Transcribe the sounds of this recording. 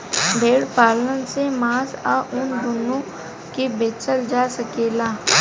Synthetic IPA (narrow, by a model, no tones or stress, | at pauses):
bʱeːɽpaːlənsemaːsaʔʊnd̪ʊnõ | kebeːt͡ʃəld͡ʒaːsəkeːlaː